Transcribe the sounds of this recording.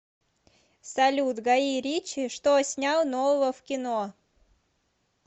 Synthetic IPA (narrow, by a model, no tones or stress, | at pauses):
sɐlʲut̪ɡɐiɾʲit͡ɕɪʂt̪osʲnʲalˠnovəvəfkʲɪno